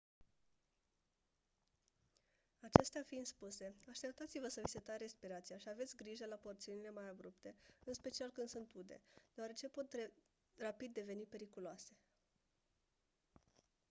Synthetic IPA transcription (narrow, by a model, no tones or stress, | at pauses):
at͡ʃe̞st̪eafind̪spuse̞aʃt̪e̞p̚t̪at̪sivəsəviset̪aɾe̞spiɾat̪sijaʃiave̞t̪sʲɡɾiʒəlapo̞rt̪siunile̞majabɾupt̪e̞ɨnspe̞t͡ʃialkɨnd̪sunt̪ud̪e̞̰d̪̥eaɾe̞t͡ʃe̞po̞t̪ | rapid̪ːe̞ve̞nipe̞ɾikuloase̞